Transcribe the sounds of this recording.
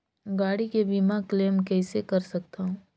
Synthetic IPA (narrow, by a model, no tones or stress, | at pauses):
ɡaːɽikebimãkleːmkɛːsekɐɾsɐk̚t̪aɦũː